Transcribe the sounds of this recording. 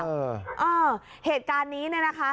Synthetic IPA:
ʔɤː˧ | heː˨˩t̪̚kaː˧nːiː˦˥nɯ˧˥˩na˦˥kʰa˦˥

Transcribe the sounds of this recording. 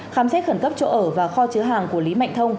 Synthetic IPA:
xaː˨˦msɛ˦˥t̚xə˧˩nkə˦˥p̚t͡ɕo̰˧˨ʔəː˧˩vaː˨˩xɔ˧t͡ɕɨ˨˦ɦaː˨˩ŋku˧˩əli˨˦ma̰˧˨jŋ̟t̪ʰə˧wŋ͡m

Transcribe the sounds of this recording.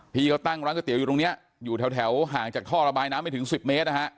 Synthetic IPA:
pʰiː˧ka˥˩t̪a˥˩ŋɾa˧˦˥nkʰːt̪i˩˦juː˨˩t̪o˧ni˦˥ɐ | juː˨˩t̪ʰɛ˨˩˦wt̪ʰɛ˩˦wɦaː˨˩ŋt͡ɕaː˨˩kʰɔː˥˩ɾa˧baː˧jnaː˦˥mːa˥˩jt̪ʰŋsi˨˩p̚me˦˥t̪̚na˦˧˥kʰa˦˥ʔ

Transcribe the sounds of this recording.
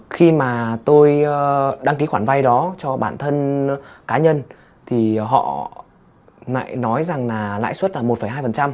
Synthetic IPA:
xi˧maː˨˩t̪o˧jɗa˧ŋki˨˦xwaː˧˩nva˧jɗɔ˨˦t͡ɕɔ˧ɓaː˧˩nt̪ʰə˧nkaː˨˦ɲə˧n | t̪ʰi˨˩ɦɔ̰˧˨ | la̰ː˧˨jnɔ˨˦jza˨˩ŋlaː˨˩la̰ː˧˨jswt̚laː˨˩mo˨˩fə˨˩jɦaː˧jfə˨˩nt͡ɕa˧m

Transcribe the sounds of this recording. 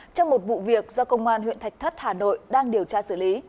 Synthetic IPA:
t͡ɕɔ˧wŋ͡mmo˨˩t̚vṵ˧˨vi˨˩ək̚zɔ˧kə˧wŋ͡mʔaː˧nɦwḭ˧˨ənt̪a˨˩jk̚t̪ʰə˦˥t̚haː˨˩no̰˧˨jɗaː˧ŋɗi˨˩əwt͡ɕaː˧sɨ˧˩li˨˦

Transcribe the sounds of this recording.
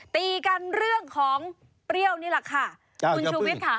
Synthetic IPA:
t̪iː˧ka˧nɾɯ˥˩əŋkʰɔː˩˦ŋ | pɾi˥˩əwniː˥˩la˧˩kʰa˥˩ | ku˧nʰuː˧wt̪̚kʰa˦˥˩

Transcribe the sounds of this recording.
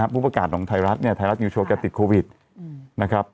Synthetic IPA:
pʰuː˥˩pɾa˧kaː˨˩t̪̚nɔː˩˦ŋt̪ʰa˧jɾa˦˥t̪̚ni˥˩ɐt̪ʰa˧jɾa˦˥t̪̚juː˧˩oː˧˥kt͡ɕa˨˧˩t̪i˨˩t̪̚kʰoː˧wi˨˩t̪̚ | na˦˥kʰɾa˦˥p̚

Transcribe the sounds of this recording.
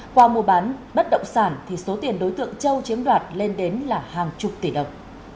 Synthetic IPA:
kwaː˧mu˨˩əɓaː˨˦nɓə˦˥t̚ɗə̰˧˨wŋ͡msaː˧˩nt̪ʰi˨˩so˨˦t̪i˨˩ənɗo˨˦jt̪ɨ̰˧˨əŋt͡ɕə˧wt͡ɕi˨˦əmlwaː˨˩t̚le˧nɗe˨˦nlaː˨˩haː˨˩ŋt͡ɕʊ˨˩k͡p̚t̪i˧˩ɗə˨˩wŋ͡m

